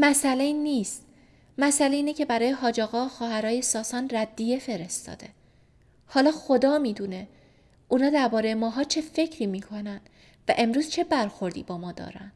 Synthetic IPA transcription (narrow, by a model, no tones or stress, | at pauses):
mæsʔæle̞iniːst̪ | mæsæleiːnecʰe̞bæɾɒːjeɦɒːd͡ʒɒːɣɒːxɒːɦæɾɒːje̞sɒːsɒːnræd̪ːije̞fe̞ɾe̞st̪ɒ̰ːd̪e̞ | hɒːlɒːxo̞d̪ɒːmiːd̪uːne | ʔuːnɒːd̪æɾbɒːɾe̞jemɒːɦɒːt͡ʃʰe̞fe̞cʰɾiːmiːkʰo̞nænd̪̥ | væʔemɾuːz̥t͡ʃʰe̞bæɾxo̞ɾd̪ḭːbɒːmɒːd̪ɒ̰ːɾæ̰nd̪̥